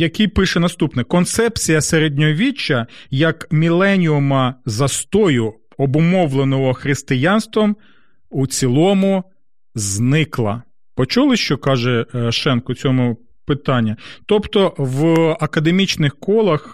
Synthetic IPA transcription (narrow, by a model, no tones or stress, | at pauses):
jɐkijpɪʃɛnɐst̪upnɪkɔnt̪sɛpt͡sʲijɐseɾed̪ʲnʲɔʋʲit͡ʃːɐjɐkmʲilˠɛnʲiʊmɐzɐst̪ɔjʊ | ɔbʊmɔwlˠenɔɦɔxɾɪst̪ɪjɑnst̪ʋɐm | ut͡sʲilˠɔmʊ | znɪklˠɐ̰ | pɔt͡ʃulˠɪʃt͡ʃɔkɑʒɛʃɛnkɔt͡sʲɔmʊ | pɪt̪ɑnʲːɐt̪ɔpt̪ɔʋɐkɐd̪emʲit͡ʃnɪxkɔlˠɐx